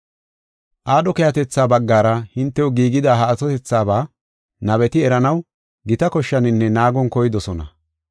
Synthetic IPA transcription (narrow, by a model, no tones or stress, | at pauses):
ʔaːɗɔkɛjɐt̪ɛt͡sːaːbɐɡːaːɾɐhɪnt̪ːɛwɔɡiːɡɪd̪aːɦaːtɔt̪ɛt͡sːaːbaː | nɐβɛt̪ɪɛɾɐnɐw | ɡɪt̪ɐkɔʃːɐnɪnːɛnaːɡɔnkɔjɪd̪ɔsɔnɐ̰